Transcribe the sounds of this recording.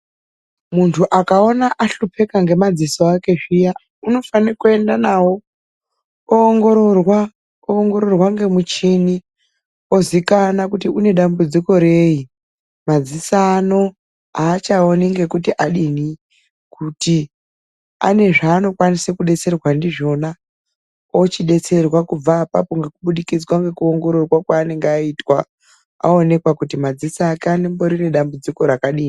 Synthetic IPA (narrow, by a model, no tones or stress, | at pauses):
muntʰuʔakao̞naʔaɬupʰe̞kaŋɡe̞mad͡zisoake̞ʐija | uno̞fanikue̞ndanawo̞ | oːŋɡo̞ɾorwa | koŋɡo̞ɾo̞rwaŋɡe̞mut͡ʃini | o̞zikanakutiune̞ɗambud͡ziko̞ɾeji | mad͡zisano̞ | aːt͡ʃaoniŋɡe̞kutiʔaɗini | kuti | a̰ne̞ʐaːno̞kwanisekuɗe̞t͡se̞rwandiʐo̞na | o̞t͡ʃiɗe̞t͡se̞rwakub͡vaːpapo̞ŋɡe̞kuɓuɗikid͡zwaŋɡe̞kuoŋɡo̞ɾorwakwaːne̞ŋɡeaitwa | a̰o̞ne̞kwakutimad͡zisaːkeanemboɾineɗambud͡ziko̞ɾakaɗiːni